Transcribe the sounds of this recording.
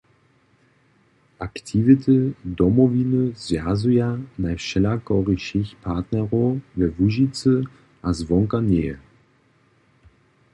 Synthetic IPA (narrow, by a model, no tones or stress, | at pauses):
ʔaktʰivətədɔmoviləzjazujanaɪfʃɛlakɔʁiʃɪçpʰat̪nɛʁovɛvuʒit͡sə | azvɔŋkane